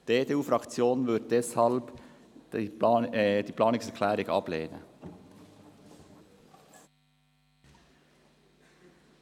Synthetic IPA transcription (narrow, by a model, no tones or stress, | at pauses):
d̥eːdeːuːfɾɑkt͡sjoːnvʏd̚d̥ɛshɑlb̥ | d̥iːpʰlɑːnɪsɛkʰlɛːɾɪɡɑb̥leːnə̰